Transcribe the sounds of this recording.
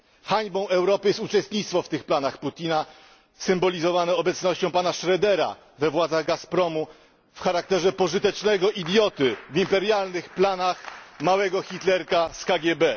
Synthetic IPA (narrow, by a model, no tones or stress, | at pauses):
xaɲbɔ̃w̃ɛwɾɔpɘjɛst̪ut͡ʂɛst̪ɲit̪st̪fɔft̪ɘxplanaxput̪ʲina | sɘmbɔlʲizɔvanɛɔbɛt̪snɔɕt͡ɕɔ̃w̃panaʂɾɛd̪ɛɾa̰ | vɛvwad̪zaɣɡaspɾɔmu | fxaɾak̚t̪ɛʐɛpɔʐɘt̪ɛt͡ʂnɛɡɔʔid̪ʲjɔt̪ɘvimpɛɾjalnɘxplanaxmawɛɡɔxʲit̪lɛɾkaskaɡʲjɛbɛ